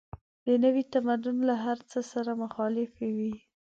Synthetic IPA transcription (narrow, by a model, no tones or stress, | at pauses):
d̪ənəwit̪amad̪ʊnlaɦaɾt͡səsaɾamʊxɑlɪfewi